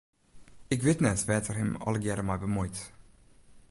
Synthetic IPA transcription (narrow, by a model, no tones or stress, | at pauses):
ɪkʋɪtnɛtʋɛːtərhɛmɑ̰ləɡɛɾəmɛjbəmujt